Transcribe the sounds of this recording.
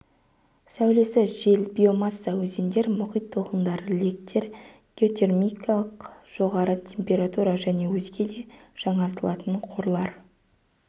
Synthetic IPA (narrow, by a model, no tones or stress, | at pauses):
sæwle̞sɪʒe̞lbʲio̞mɑsːawɵze̞nd̪e̞ɾmʊχijt̪ʰːəlˠqənd̪ɑɾəle̞k̚t̪ʲʰe̞ɾ | ɡ̥ʲeo̞t̪ʲe̞rmʲijkʰalˠəqʒ̥o̞ʁɑɾət̪ʲʰe̞mpʲe̞ɾat̪uɾɑʒæne̞wɵzɡʲe̞d̪e̞ʒ̥ɑɴɑɾt̪əlˠɑt̪əɴqʰo̞ɾlˠɑɾ